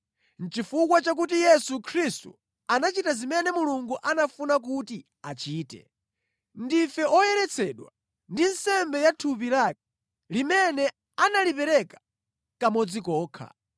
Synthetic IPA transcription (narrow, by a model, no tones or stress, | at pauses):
n̩t͡ʃifukwat͡ʃak̬utijɛsukʰɾistṵ | anat͡ʃitazimɛnɛmuluŋɡuʔanafunak̬uti | at͡ʃiːtɛ̰ | ndifɛɔjɛɾɛt͡sʰɛɗwa̰ | ndin̩sɛmbɛjatʰupilak̚ɛ̥ | limɛnɛ | analipɛɾɛkḁ | kamɔd͡zikɔːkʰa̰